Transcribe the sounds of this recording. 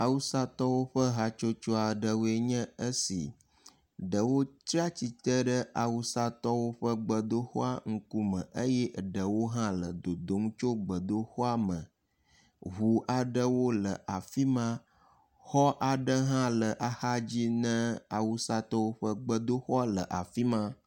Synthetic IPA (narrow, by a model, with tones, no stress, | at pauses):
a˨wu˦sa˦t̪ɔ˦wo˦ɸə˦ɦa˦t͡ʃo˦t͡ʃo˦a˨ɖə˨wo˦e˨ɲɛ̃˦ə˦sḭ˨ | ɖə˨wo˦t̪ɾi˦a˦t͡ɕi˨t̪ə˦ɖə˦ʔa˨wu˦sa˦t̪ɔ˦wo˦ɸə˦ɡ͡bə˨d̪o˦xɔ˦a˦ŋ̩˦ku˦mə̰̃˨ʔə˦jɛ˦ɖə˨wo˦ɦã˦lə˨d̪o˨d̪o˨˦m˦t͡ʃo˦ɡ͡bə˨d̪o˦xɔ˦a˦mə̃˨ | ɦu˨ʔa˨ɖə˦wo˦lə˨ʔa˨fi˦mã˦ | xɔ˦ʔa˨ɖə˦ɦã˦lə˨ʔa˨ha˦d͡ʑi˦nɛ̃˦a˨wu˨sa˦t̪ɔ˦wo˦ɸə˦ɡ͡bə˦d̪o˦xɔ˦a˦lə˨ʔa̰˨fi˦mã˦